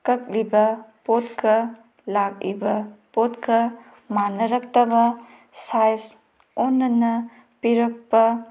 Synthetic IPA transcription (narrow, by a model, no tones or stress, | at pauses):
kɐk̚libɐpot̚kʰɐ | lak̚ḭbɐpotkɐ | manɐɾɐk̚tɐbɐ | sajs | ɔnːɐnɐ | piɾɐk̚pɐ